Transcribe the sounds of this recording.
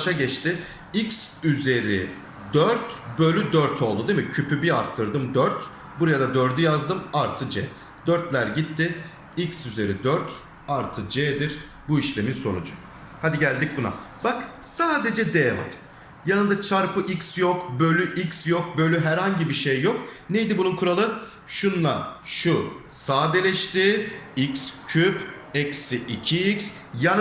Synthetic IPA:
ʃaɟɛt͡ʃt̪ɪ | ics | yze̞ɾḭ | d̪øɾt̪bø̞lʲyd̪øɾt̪ʰo̞lˠd̪ud̪emicʰypʰybiaɾt̪ʰːɯɾd̪ɯmd̪øɾt̪ | buɾajad̪ad̪ø̞ɾd̪yjazd̪ɯmaɾt̪ʰɯd͡ʒɛ̰ː | d̪øɾt̪lʲæɾɟit̪ʰːɪ | icsyze̞ɾid̪øɾt̪ʰ | aɾt̪ʰɯd͡ʒɛːd̪iɾ | buiʃlʲe̞minso̞nud͡ʒʊ | had̪iɟælʲd̪ic̚buna̰b̥aksaːd̪e̞d͡ʒɛd̪eːva̰ɾ̥ | janɯnd̪at͡ʃʰaɾpɯʔicsjokbø̞lʲyʔicsjo̞k̚bø̞lʲyɦæɾhaɲɟibiʃejːo̞k̚nejd̪ibununkʰuɾalˠɯ | ʃunlˠa̰ʃusaːd̪elʲɛʃt̪iːicscʰyp | ɛcsiʔicʰiics | jan

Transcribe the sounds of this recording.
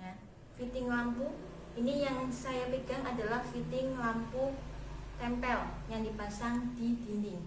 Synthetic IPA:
ja | fit̪ɪŋlampu | inijaŋsajapeɡ̥a̤ŋadalahfit̪ɪŋlamput̪ɛmpɛljaŋdipasaŋd̥i̤d̥ind̪ɪŋ

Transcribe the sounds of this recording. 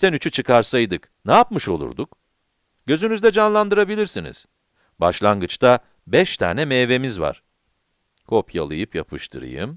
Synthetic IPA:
t̪ʰænyt͡ʃʰyt͡ʃʰɯkʰaɾsajd̪ɯk | naapmɯʃo̞̰lˠṵɾd̪uk | ɟ̥ø̞zynyzd̪ɛd͡ʒanlˠand̪ɯɾabilʲiɾsinḭz̥ | baʃlˠaŋɡɯt͡ʃt̪ʰa | bɛʃt̪ʰa̰ːnɛmeːve̞mizva̰ɾ̥ | kʰo̞pʰja̰lˠɯ̰jɯpjapʰɯʃt̪ʰɯ̰ɾɯ̰jɯ̰m

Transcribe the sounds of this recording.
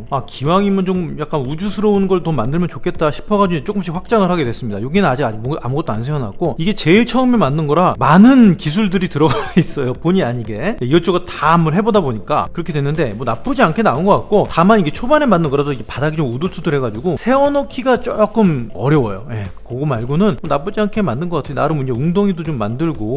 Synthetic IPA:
akiwaŋimɯnt͡ɕomjak͈anud͡ʑusʰɯɾʌunnɡʌɭtʌmandɯɭmjʌnt͡ɕokʰe̞t̚t͈aɕʰi̥pʰʌɡad͡ʑud͡ʑet͡ɕ͈ok͈ɯmɕ̬ʰikɸwak̚t͡ɕ͈aŋɯɭhaɡe̞dwe̞s͈ɯmɲidajoɡinɯnad͡ʑiɡad͡ʑkma̰muɡʌt͈oansʰeʌna̰k͈oiɡe̞t͡ɕe̞iɭt͡ɕʰʌɯmemanːɯnɡʌɾamanɯnkis̬ʰuɭdɯɾitɯɾʌɡais͈ʌjopoɲiaɲiɡe̞jeiʌt͡ɕ͈oɡɯtamuɭɦe̞bodaboɲik͈a̰kɯɾʌkʰe̞dwe̞nːɯnde̞mwʌnap͈ɯd͡ʑiankʰe̞naunɡʌk͈ak̚k͈otamaniɡe̞t͡ɕʰobane̞manːɯnɡʌɾasʰoid͡ʑepadaɡit͡ɕouduɭsʰudɯɦe̞ɡad͡ʑuɡosʰe̞ʌnʌkʰiɡat͡ɕ͈ok͈ɯmʌ̰ɾjʌwʌjoje̞koɡomaɭɡonɯnmonap͈ud͡ʑiankʰe̞manːɯnɡʌk͈atʰɯnaɾɯnmund͡ʑeuŋdoŋidot͡ɕomːandɯɭɡo

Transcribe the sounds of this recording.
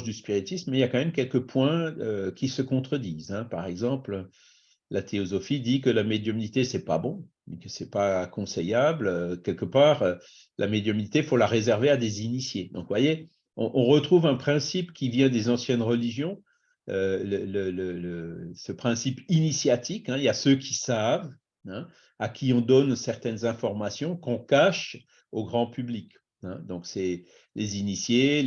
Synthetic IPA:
ʒd̪yspiʁit̪ismmɛiljakɑ̃mɛmkʲɛlkəpwɛ̃økʲisəkɔ̃t̪χəd̪iːzɛ̃paʁɛɡzɑ̃plø | lat̪ʰeɔzɔfid̪ikəlamed̪jɔminit̪esɛpa̰bɔ̃ | mɛkəsɛpaːkɔ̃sɛjabløkʲɛlkəpaːʁø | lʔa̰med̪jɔminit̪efolaʁezɛʁvead̪ezinisjed̪ɔ̃kvwaje | ɔ̰̃ʔɔ̃ʁət̪χuvɛ̃pχɛ̃sipkʲivjɛ̃d̪ezɑ̃sjɛnʁəliʒjɔ̃ | ølələlələsəpχɛ̃sipinisjat̪ikɛ̃iljasøkʰʲisav | ɛ̃ | akʲʰiɔ̃d̪ɔnsɛʁt̪ɛnzɛ̃fɔʁmasjɔ̃kɔ̃kaʃ | oɡʁɑ̃pyblik | ɛ̰̃d̪ɔ̃ksɛ | lezinisje

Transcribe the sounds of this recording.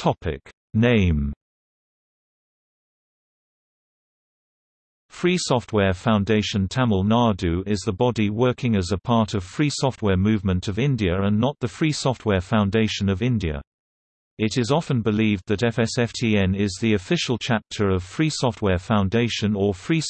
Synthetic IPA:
tʰɒpʰɪ̰k | nẽɪ̃m | fɹiːsɒft̚wɛːfãʊ̃ndeɪʃə̃ntʰaməlˠnɑːdʉɪzðəbɒdiwɜˑkʰɪ̃ŋəzəpʰɑˑtəv̥fɹiːsɒft̚wɛːmʉvmə̃ntʰəvɪ̃ndiəɹə̃nːəʔ̪̚ðəfɹiːsɒft̚ʰwɛːfãʊ̃ndeɪʃə̃nəvɪ̃ndiə̰ | ɪɾɪzɒfə̃nbɪliːvðəɾɛfɛsɛftʰiːɛ̃nɪzðiəfɪʃəl̩ˠt͡ʃʰap̚tʰəɹəv̥fɹiːsɒft̚wɛːfãʊ̃ndeɪʃə̃nəfɹiː

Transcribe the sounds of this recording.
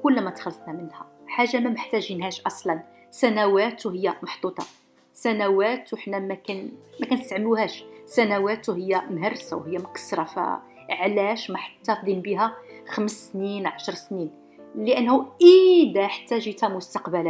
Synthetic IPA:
kʊlːmæt̪xəlːət̪ˤnæmənhæ̰ħaʒːamæməħt̪æʒinhæʃʔɑsˤlɑn | sænæwæt̪whəjːæmɑħd̪ˤut̪ˤɑ̰ | sænæwæt̪wħnæmækænmækænst̪ʕəmluhæʃsænæwæt̪uɦəjːæmɦəɾˤsawhəjːæmkə̥sɾˤɑfæ̰ | ʕlæʃmæħḁt̪ːæfd̪inbiɦæxəməsːninʕɑʃɾˤsnin | ləʔənːhuʔid̪æħt̪ːæʒit̪æmʊst̪ɑqbælæ

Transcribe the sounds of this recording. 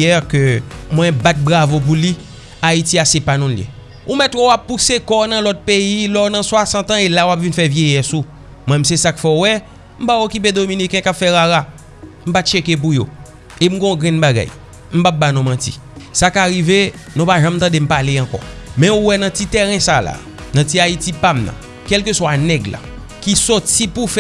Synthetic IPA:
ɛkømwɛ̃bat̪̚bʁavop̬uli | aitiasɛpanũljḛ | umɛt̪wowapːusekɔnɐ̃lɔt̚peilɔnɐ̃swasɐ̃t̪ɐ̃elawapvinfɛvjejɛsu | mw̃ɛ̃m̩sɛsakfɛuwɛ | m̩paokip̬ed̪ominikɛ̃kapfɛɣaɣa | m̩patʃekep̬ujo | em̩ɡõɡɛ̃nbaɡa̰j | m̩pap̚banɔ̃mãtḭsakaɣivenũpaʒãmt̪ãdem̩paleɑ̃kɔ̰mɛ̃uwɛnɐ̃tit̪ɛɣɛ̃sala̰ | nɐ̃tiaitipamnɐ̰̃ | kɛlkøswanɛɡla̰ | kisɔtipufɛ

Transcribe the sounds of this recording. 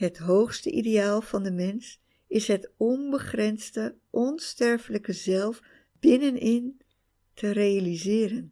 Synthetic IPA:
ɦətɦowχstəʔḭdejaːlˠvɑndəmɛns | ɪsɦətɔnbəχrɛnstəʔɔnstɛɹfələkəzɛlˠf | b̥ɪnənɪn | tʰərejalizɪːɾən

